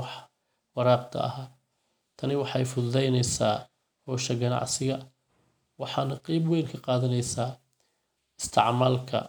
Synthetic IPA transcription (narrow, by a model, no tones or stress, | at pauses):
ɑħ | wɑɾɑːq̚t̪ʰɐ̰ɐ̰ɦaː | t̪ʰɐnɪwɑħɑjfʊðʊðɛjnɛjsaː | hɔːʃɐɡɐnɑ̰ʕsɪɣɐ | wɑħɑːnɐqiːbwɛːlkʰɐqɑːðɐnɛjsaː | ɪst̪ʰɪ̰ʕmaːlkʰɐ̰